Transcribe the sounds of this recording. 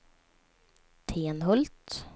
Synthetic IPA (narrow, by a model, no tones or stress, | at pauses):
t̪ʰeːnɦɵlt̪